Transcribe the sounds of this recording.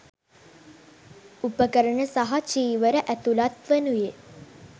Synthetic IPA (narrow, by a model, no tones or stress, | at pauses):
upəkəɾəɳəsaɦat͡ʃiːʋəɾəʔæt̪ulat̪ʋənuje